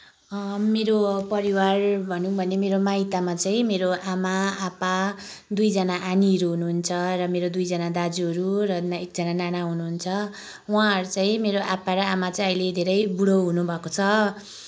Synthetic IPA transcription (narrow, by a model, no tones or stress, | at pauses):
meɾopʌɾiwarbʱʌnũbʱʌnemeɾomait̪amat͡saĩmeɾoʔamaapad̪ujd͡zʌnaʔaniɦʌɾuɦunuɦunt͡sʰʌrʌmeɾod̪ujd͡zʌnad̪ad͡zuʌɾurʌnek̚d͡zʌnananaɦunuɦunt͡sʰʌ | wãɦʌɾut͡saĩmeɾoʔapaɾʌamat͡saĩʌɦiled̪ʱeɾʌjbuɽʌɦunubʱʌkot͡sʰʌ